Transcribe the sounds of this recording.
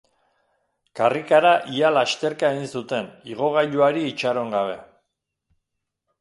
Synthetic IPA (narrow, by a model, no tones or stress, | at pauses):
karikaɾaʔialast̪e̞ɾkaeɣinsut̪e̞niɣ̞o̞ɣ̞aʎuaɾiːt͡ʃaɾo̞ŋɡaβ̞e̞̰